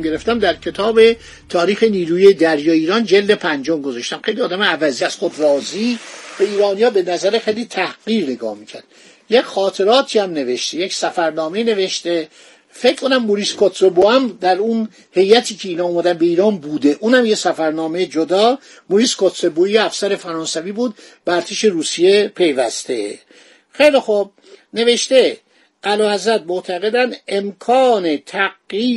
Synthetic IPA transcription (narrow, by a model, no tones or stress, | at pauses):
me̞ɾeft̪æmd̪æɾcʰe̞t̪ʰɒːbe̞ | t̪ʰɒːɾiːxeniːɾuːjijd̪æɾjɒːeiːɾɒːnd͡ʒeld̪e̞pʰænd͡ʒomɡozɒʃt̪æmxejliɒːd̪æmeævæziːæz̥xod̪rɒːzivæiːɾɒːnijɒːbenæzæɾexejliːt̪ʰæhɡiːɾneɡɒ̰ːhmiːcʰæɾd̪̥ | jecxɒːt̪ʰe̞ɾɒːt̪ʰiːæmne̞ve̞ʃt̪ejecsæfæɾnɒːme̞iːne̞veʃt̪e | fe̞cʰkʰonæmːoɾiskʰot̪seboæmd̪æɾun | he̞jæt̪ʰiːcʰeiːnɒːomæd̪ænbe̞iːɾɒːnbuːd̪e̞ʔuːnhæmjesæfæɾnɒːmejd͡ʒod̪ɒː | moɾiskʰot̪ʰɾeboijeæfsæɾe̞fæɾɒːnsæviːbuːd̪̚ | b̥eæɾt̪ʰeʃe̞ɾuːsije̞pʰe̞jvæst̪e̞̰ | xejlixub̚ | ne̞ve̞ʃt̪e | ʔælɒːhæzɾæt̪̚moʔt̪ʰæɣe̞d̪ænd̪emkʰɒːnet̪ʰæɡiː